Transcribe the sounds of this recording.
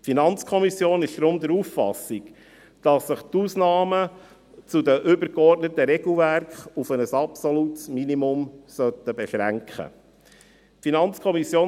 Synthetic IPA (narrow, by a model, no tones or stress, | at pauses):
tfinɑnt͡skʰɔmisjoːnɪʃd̥̪ɾʊmd̪əɾuffɑ̰sik | d̥ɑsːəχt̪uːsnɑːmə | t͡sud̪əʔʏbəɾkɔrtnət̪əɾɛɡl̩ˠvæɾkχufənəsɑpsɔlutsminimʊmsœt̪ːəbɛʃɾæŋkχə̰ | finɑnt͡skʰɔmisjoː